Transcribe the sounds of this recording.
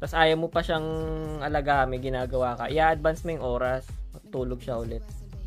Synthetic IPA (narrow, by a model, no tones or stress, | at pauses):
t̪ɐsʔaːjɐmopɐʃaŋʔɐlɐɡaɐmɐɡɪnaːɡɐwaːkɐʔɪjaːʔɐd̪̚bɐnsmojʊŋʔo̞ːɾɐsmɐɡ̚t̪uːloɡ̚ʃɐhʊlɛt̪̚